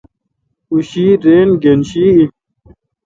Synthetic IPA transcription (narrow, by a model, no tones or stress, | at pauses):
uɕiːɾeːnɡenɕiːi